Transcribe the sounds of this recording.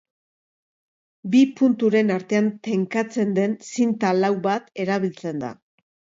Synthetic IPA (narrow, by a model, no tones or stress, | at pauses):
bipunt̪uɾe̞naɾt̪e̞ant̪e̞ŋkat͡se̞nd̪e̞nsint̪alawβat̪e̞ɾaβilt͡se̞nd̪a̰